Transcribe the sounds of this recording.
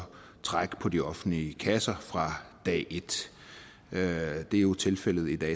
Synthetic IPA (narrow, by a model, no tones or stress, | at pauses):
t͡sʰʁɑ̈ɡ̥pʰɒ̽d̥iɒ̽fn̩liəkʰæsɐfʁɑ̈d̥ɛ̰ːʔe̝d̥ | d̥e̝æjo̝t͡sʰe̝lfel̰ð̞̩ˠid̥ɛ̰ː